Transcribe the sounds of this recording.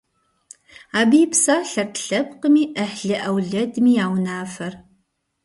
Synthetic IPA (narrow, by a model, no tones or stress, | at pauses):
aːbiːpsaːɬɐrtɬɐpqəmiːʔəħɮɨʔɐwɮɐdmiːaːwnaːfɐr